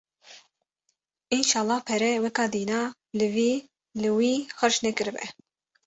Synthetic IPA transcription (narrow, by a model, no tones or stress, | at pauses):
inʃɑːlˠˤːɑːpʰɛɾɛwɛkɑːd̪iːnɑː | lɨviː | lɨwiːxəɾʃnɛkɨɾɨbɛ̰